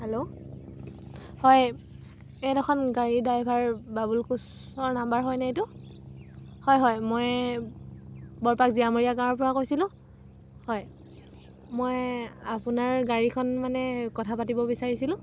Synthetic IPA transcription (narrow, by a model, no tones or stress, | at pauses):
hɛlo | hɔj | ɛdɔxʰɔnɡaɹidajbʱaɹbabulkus | ɔɹnambaɹɦɔjnaetʊ | hɔjɦɔjmoj | bɔɹpakziamoɹijakaɹɔɹp̬ɔɹakojsilʊ̃ | hɔj | mojapunaɹɡaɹikʰɔnmanɛkɔtʰapatibɔbisaɹisilʊ̃